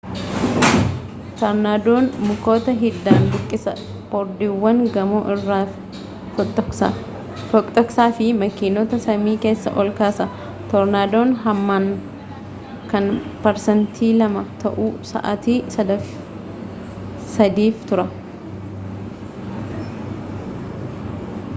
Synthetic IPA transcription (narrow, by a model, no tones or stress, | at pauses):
t̪ɐɾnaːd̪oːnmʊko̞ːt̪ɐɦɪd̪ːaːnɡ̪ɪkʼːɪsɐ | pɔɾd̪iːwːɐŋɡɐmoːʔɪrːaː | t̪ɔkʼt̪ʼɔksaːfɪmɐkɪnot̪ɐsɐmiːke̞ːsːɐ̰ʔɔlkaːsɐ | t̪ɔɾnaːd̪oːnɦɐmːaːn | kɐnpɐɾsɐnt̪ʰiːlɐmɐt̪ɐ̰ʔusɐ̰ʔɐ̰t̪iːsɐd̪ɐf | sɐd̪iːft̪ʊɾɐ